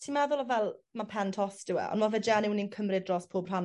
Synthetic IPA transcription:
tʰimɛðʊlˠavɛlˠmapʰɛntʰɔsd̥ɪwɛ̰ʔɔ̰nvɔvɛd͡ʒɛnɪwninkʰəmrɪdrɔːspʰoːbr̥an

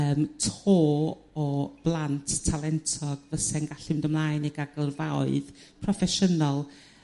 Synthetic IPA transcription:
əːmtʰoː | ɔb̥lˠantʰtʰːalˠɛntʰɔɡ̥vəsɛnɡaɬɪmdəmlˠaːjniɡaɡərvawɨð | pʰrɔfɛʃənɔlˠ

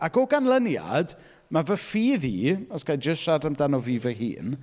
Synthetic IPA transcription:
akɔɡanlənja̰d | mavəfiːðiːɔsɡ̥ajd͡ʒəʃadamdanɔviːvəɦḭːn

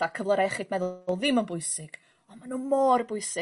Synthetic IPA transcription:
akʰəvlˠəɾaɛχid̥mɛðlˠðɪmənbʊɨsɪɡ̥ | ɔmanumorbʊɨsɪ

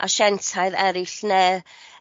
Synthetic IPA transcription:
ʔa̰ʃɛntʰaɨðɛɾɪɬneː

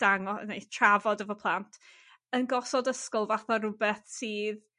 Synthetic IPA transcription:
d̥aŋɔ̰nejtʰravɔdəvɔpʰlˠantʰ | ənɡɔsɔdəskɔlˠvaθaɾʊbɛθsiːð

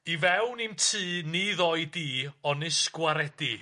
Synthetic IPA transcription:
ivɛwnimtʰɨːniðɔɨdiːɔnɨsɡ̥waɾɛdi

